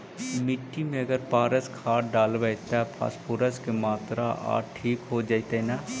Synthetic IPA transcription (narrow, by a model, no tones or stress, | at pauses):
mɪʈːimẽɐɡəɾpaːɾəskʰaːʈɖaːlʋəɪt̪ɛpʰa̰ːspuɾəskemaːt̪ɾaʔa̰ːʈʰiːkɦod͡ʒaːit̪ena